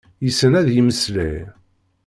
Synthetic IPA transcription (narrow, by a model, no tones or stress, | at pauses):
jəsːənæðjiməslæ̰j